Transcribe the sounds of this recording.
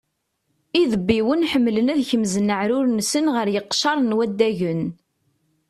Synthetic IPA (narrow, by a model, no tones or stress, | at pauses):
iðəbːiwənħəmːlənæðçəmzənːəʕɾʊɾnsənʁəɾjəqːʃɑɾˤnwæd̪ːæʝən